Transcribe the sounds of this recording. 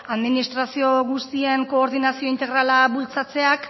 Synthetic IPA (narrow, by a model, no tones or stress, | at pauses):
aðminist̪ɾasio̞ɣust̪ie̞ŋko̞ːɾðinasio̞int̪e̞ɣɾalaβult͡sat͡se̞ak